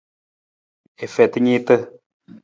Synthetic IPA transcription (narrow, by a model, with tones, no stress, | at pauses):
e˨fɛ˨t̪ɲi˦t̪ə˦